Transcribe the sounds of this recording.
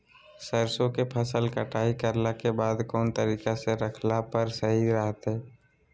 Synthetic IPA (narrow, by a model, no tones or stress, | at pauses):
səɾsõkepʰəsəlkəʈʰaːikəɾlakebaːd̪kɔːnt̪əɾiːkaseɾəkʰlapəɾsəɦiɾəɦət̪ɦɛː